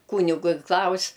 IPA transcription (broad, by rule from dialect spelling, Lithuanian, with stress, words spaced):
ˈkuːnʲɪɡʊ ɪ ˈklˠɐʊsʲ